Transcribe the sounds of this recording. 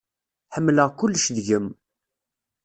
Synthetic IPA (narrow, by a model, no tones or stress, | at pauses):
ħəmːləʁkʊlːʃðʝəm